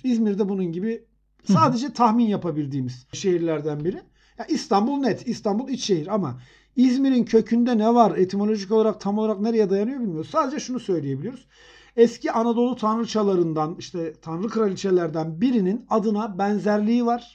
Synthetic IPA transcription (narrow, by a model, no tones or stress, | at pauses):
izmiɾd̪ɛbununɟibi | saːd̪e̞d͡ʒɛt̪ʰaxminjapʰabilʲd̪iːmiz̥ʃe̞ɦiɾlʲæɾd̪ænbiɾi | jaʔist̪ʰanbulˠnɛt̪ist̪ʰanbulˠit͡ʃʃeɦiɾama | izmiɾincʰø̞cʰynd̪ɛnɛvaɾet̪ʰimo̞lʲo̞ʒicolˠaɾak̚t̪ʰamolˠaɾakneɾejɛd̪ajanɯjobilʲmijoɾuzsaːd̪e̞d͡ʒɛʃunusø̞jlʲije̞bilʲijo̞ɾuz̥ | ɛsciʔanad̪o̞lˠut̪ʰanɾɯt͡ʃʰalˠaɾɯnd̪aniʃt̪ʰɛt̪ʰanɾɯkʰɯɾalʲit͡ʃʰelʲæɾd̪ænbiɾininad̪ɯnabɛnzæɾlʲiːvaɾ̥